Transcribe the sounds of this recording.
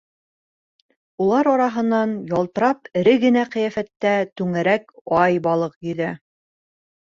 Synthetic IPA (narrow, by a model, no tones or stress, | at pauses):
ulˠɑɾɒɾɑɦɤ̆nːɑnjɑlˠt̪ɤ̆ɾɑpɘ̆ɾɘɡɘ̆næqĭjæfæt̪ːæt̪ʉŋæɾæk̚ɑjbɑlˠɤq̚jiðæ